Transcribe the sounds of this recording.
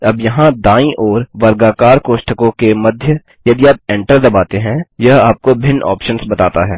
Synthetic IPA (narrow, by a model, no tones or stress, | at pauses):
ɐbjɐɦãd̪aːĩʔɔːɾʋɐɾɡaːkaːɾkoːʃʈəkõkemɐd̪ʱjə | jɐd̪iaːp̚ẽːɳʈəɾd̪ɐbaːt̪eɦɛ̃jɐɦaːp̚kobʱɪnʔɔ̰ːpʃənsbɐt̪aːt̪aɦɛː